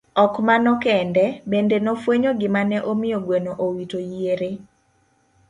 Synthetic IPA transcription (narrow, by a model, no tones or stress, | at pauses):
ɔkmanɔkɛndɛbendenɔfweɲoɡɪmanɛʔomɪjoɡwenoʔowitojeɾe